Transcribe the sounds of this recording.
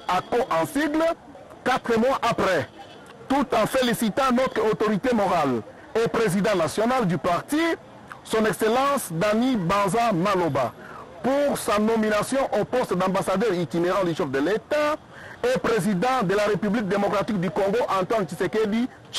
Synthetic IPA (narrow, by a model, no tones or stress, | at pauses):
akoʔɑ̃siɡl | kat̪χəmwaʔapʁɛ | t̪ut̪ɑ̃felisit̪ɑ̃nɔt̪χəot̪ɔʁit̪emɔʁal | epʁezid̪ɑ̃nasjɔnald̪ypaʁt̪i | sɔ̃nɛkselɑ̃sd̪anibɑ̃zamaloba | puʁsanɔminasjɔ̃ʔopɔst̪d̪ɑ̃basad̪œʁit̪ineʁɑ̃d̪yʃɛfd̪əlet̪a | epʁezid̪ɑ̃d̪əlaʁepyblik̚d̪emɔkʁat̪ik̚d̪ykɔ̃ŋɡoʔɑ̃nt̪want͡ʃiseked̪i | t͡ʃ